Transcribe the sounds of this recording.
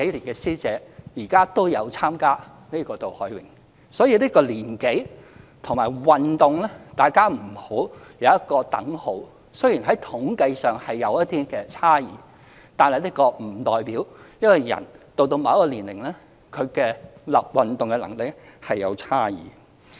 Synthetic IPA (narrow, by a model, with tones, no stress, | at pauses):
ke˨˥jliː˨˩nkɛː˧siː˥t͡sɛː˨˧jiː˨˩kaː˥t̪o˥wjɐ˨˧wt͡sʰaː˥mkaː˥ | ne˥kɔː˧t̪o˨whɔː˨˥jwɪ˨˩ŋ | sɔː˨˥jiː˨˧liː˥kɔː˧liː˨˩nke˨˥j | t̪ʰʊ˨˩ŋmaː˨˩jwɐ˨nt̪ʊ˨ŋlɛ˥t̪aː˨jkaː˥m̩˨˩ho˨˥w | jɐ˨˧wjɐ˥t̚kɔː˧t̪ɐ̰˨˥ŋho˨˥w | sɵ˥ɥji˨˩nɦɐ˨˥jt̪ʰʊ˨˥ŋkɐ˧jsœː˨ŋhɐ˨jːɐ˨˧wjɐ˥t̚t̪iː˥kɛː˧t͡sʰaː˥jiː˨˦ | t̪aː˨nhɐ˨jliː˥kɔː˧m̩˨˩t̪ɔː˨˩jpiː˨˥wjɐ˥t̚wɐ˨˧jjɐ̰˨˩nt̪o˧wt̪o˧wmɐ˨˧˥kɔː˧liː˨˩nlɪ̰˨˩ŋlɛː˥ | kʰɵ˨˧ɥkɛː˧lɐ˨p̚wɐ˨nt̪ʊ˨ŋkɛ˧lɐ̰˨˩ŋlɪ˨k̚hɐ˨jːɐ̰˨˧wt͡sʰaː˥jḭː˨˦